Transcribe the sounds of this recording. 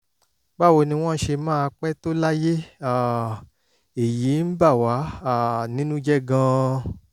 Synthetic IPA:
ba˦˨wo˧˨nĩ˧w̃ɔ̃˦ʃe˧mãː˦˧k͡pɛ˦to˦la˦je˦a˦˨ | e˨ji˨˦n̩˦ba˦˨wa˨˦a˦˨nĩ˦nũ˦d͡ʒɛ˦ɡã˧

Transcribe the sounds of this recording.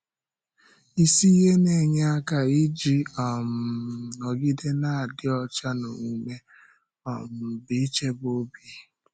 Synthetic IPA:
i˦si˦ɦe˦ne˨ɲ˦a˦ka˨i˦d͡ʒi˦ɔ˨m̩˨ɔ˨ɡi˦de˦na˨a˨dɪ˦ɔ˨t͡ʃa˦no̰˨ŋu˨me˦ | ɔ̰˨m̩˨bɪ˨i˦t͡ʃe˦bo˦bi˨e˨

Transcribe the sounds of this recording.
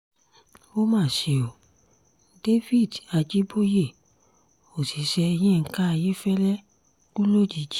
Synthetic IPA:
wo˦mãː˦˨ʃe˨o˨ | de˦fi˦˨da˨d͡ʒi˦bo˦je˦˨ | o˨si˨˦ʃɛ˧j̃ɛ̃˦˨ŋ̩˦ka˦a˧je˦fɛ˦lɛ˦ | kũ˦lo˦d͡ʒi˨˦d͡ʒi˦

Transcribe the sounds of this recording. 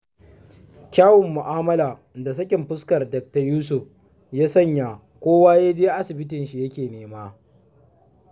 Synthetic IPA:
kʲaː˦wʊ˨mːʊ˨ʔaː˦mɐ˦laː˨ | da˨s̬ɐ˦kʲɪ˨mɸʊ˦skɐ˨rdɐ˨k̚ta˨juː˦s̬ʊ˨ɸ | jaː˦sɐ˦ɲja˨ | kʷoː˦waː˦ja˦d͡ʒeː˦ʔa˦sɪ˨bɪ˦tɪ˨nʃi˨jɐ˦kʲeː˨neː˦maː˦

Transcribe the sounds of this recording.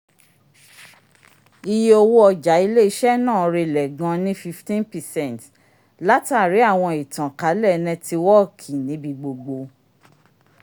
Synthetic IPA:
i˧je˦o˧wo˦ɔ˧d͡ʒa˨˦i˧le˦i˧˦ʃɛ˦nãː˦˨˧ɾe˧˨lɛ˨ɡã˧˦nĩ˦fi˧ftĩ˦npɛ˨sɛ̃˦˨nt | la˦ta˦˨ɾi˨˦a˦˨w̃ɔ̃˧i˨tã˨ka˨˦lɛ˦˨˧nɛ̃˧ti˧wɔ˦˨kʰi˨nĩ˨˦bi˧ɡ͡bo˧ɡ͡bo˧

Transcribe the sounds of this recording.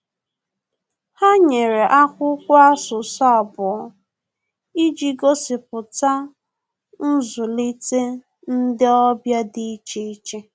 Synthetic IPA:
ha˦ɲe˨ɾe˨ʔa˦kʷʊ˦kʷʊ˦a˦sʊ˨sɔ˦˨bʊ˨˦ | i˦d͡ʒi˦ɡo˦sɪ˨p̚ʊ˨ta˦ | n̩˦zʊ˨li˦te˦ | n̩˦dɪ˦ɔ˦bja˦dɪ˦i˦t͡ʃe˦i˦t͡ʃe˦

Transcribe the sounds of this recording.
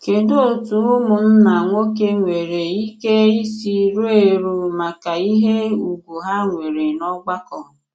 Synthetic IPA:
ke˨do˦˨tu˨˦u˦mʊ˨m̩˦na˨ŋʷo˦k̬e˦ŋʷe˨ɾe˨i˦ke˦i˦si˦ɾo˦e˨ɾu˨ma˨ka˨i˦ɦe˦u˨ɡu˨ɦa˦ŋʷe˨ɾe˨nɔ˦ɡ͡ba˦kɔ˨

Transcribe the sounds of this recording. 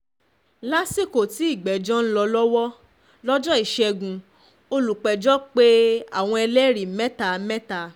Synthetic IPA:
la˦si˦˨ko˨ti˨˦i˦˨ɡ͡bɛ˨d͡ʒɔ˦n̩˦lɔ˧lɔ˦wɔ˦ | lɔ˦d͡ʒɔ˦i˦˨ʃɛ˧ɡũ˨ | o˧lu˨k͡pɛ˨d͡ʒɔ˦k͡pe˦a̰˦˨w̃ɔ̃˧ɛ˧lɛ˦ɾi˨mɛ̃˦ta˧˨mɛ̃˦ta˧˨

